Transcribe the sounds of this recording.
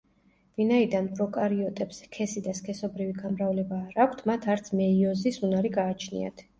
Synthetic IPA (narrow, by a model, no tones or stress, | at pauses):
vinaid̪anpʰʼɾɔkʼaɾiɔt̪ʼɛpskʰɛsid̪askʰɛsɔbɾiviɡamɾavlɛbaːɾakʷʰt̪ʰmat̪ʰaɾt̪sʰmɛiɔzisunaɾiɡaːt͡ʃʰnḭa̰t̪ʰ